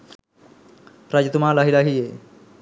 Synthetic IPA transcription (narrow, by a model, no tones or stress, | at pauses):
ɾad͡ʑt̪umalaɦilaɦije